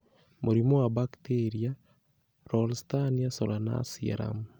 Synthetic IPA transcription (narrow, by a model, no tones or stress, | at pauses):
moɾimowabakteɾia | ɾɔlstanijasɔɾana̰sia̰ɾa̰m